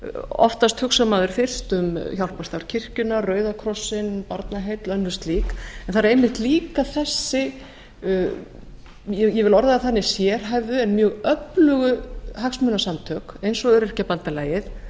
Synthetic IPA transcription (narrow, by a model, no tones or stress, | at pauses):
ɔ̰ft̪ast̪hʏksamaðʏɾ̥fɪr̥st̪ʏmçawlpast̪aɾ̥cʰɪr̥cʏnarœːɥðakʰɾɔsɪnpaɾt̪naɦejt̪lœnːʏst̪liːkɛnθaɾaɾejmɪht̪liːkaθɛsːɪ | jɛjɛvɪlɔɾðaaθanːɪ̥sjɛɾ̥ɦajvðʏɛnmjœːɣœplʏɣʏɦaksmʏnasamt̪ʰœːkejnsɔœɾɛr̥capant̪alaːjɪθ